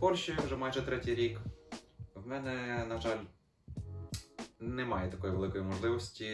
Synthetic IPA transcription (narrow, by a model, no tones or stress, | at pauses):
pɔrʃijuʒɛmɑjʒɛt̪ɾɛtʲijɾʲik | wmɛnɛnɐʒɑlʲ | nɛmɑjɛt̪ɐkɔjiʋe̞lˠɪkɔjimɔʒlˠɪʋɔsʲtʲi